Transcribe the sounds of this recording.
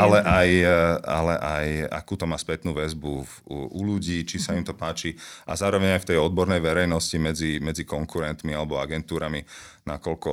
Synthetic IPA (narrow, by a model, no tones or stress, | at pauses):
alɛʔaja̰lɛʔaja̰kuːt̪ɔmaːspɛt̪nuːʋɛzbu | uʎuɟiːt͡ʃisaimt̪ɔpaːt͡ʃia̰zaːɾɔʋɛɲajft̪ɛjɔd̪̚bɔɾnɛjʋɛɾɛjnɔscimɛd͡zimɛd͡zikɔŋkuɾɛnt̪mialɛbɔaɡɛnt̪uːɾaminakɔlkɔ